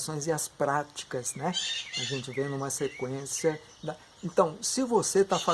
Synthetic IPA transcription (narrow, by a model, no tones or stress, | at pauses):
sõj̃zɪɐspɾat͡ʃi̥kɐznɛaʒẽnt͡ʃɪvẽj̃nũmɐsekwẽsiɐ | d̪ɐ | ẽt̪ɐ̃w̃sɪvoset̪afa